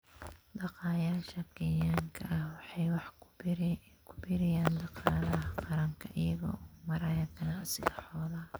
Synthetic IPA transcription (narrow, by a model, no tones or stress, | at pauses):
d̪ɑqɑːjaːʃɐkɛjaːŋkʰɐʔɐhwɑħɑjwɑħ | kʰʊbɪɾɪjaːnd̪ɑqɑːðɐɦɐqɑɾɐŋkʰɐʔɪjɐɣɔ̰ːɔːmɐɾɐjɐkʰɐnɐsɪɣɐħɔːðaː